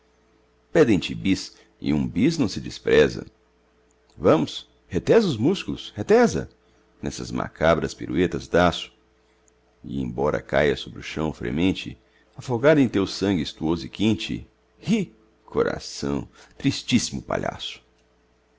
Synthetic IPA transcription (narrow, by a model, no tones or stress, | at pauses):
pɛd̪ẽj̃t͡ʃɪbis | ɪ̰ũbiznɐ̃w̃sɪd͡ʒispɾɛzɐ̰ | vɐ̃mʊs | het̪ɛzʊzmuskulˠʊshet̪ɛzɐ̰ | nɛsɐzma̰kabɾɐspiɾuet̪ɐzd̪asʊ̥ | ɪẽbɔɾɐ̰ka̰jɐsobɾɪʊʃɐ̃w̃fɾḛmẽnt͡ʃɪ | afoɡad̪ʊẽt̪ewsɐ̃ŋɡɪst̪uozʊɪkĩt͡ʃɪ̰ | hi | kʰoɾa̰sɐ̰̃w̃t̪ɾist͡ʃisimʊpa̰ʎa̰sʊ̥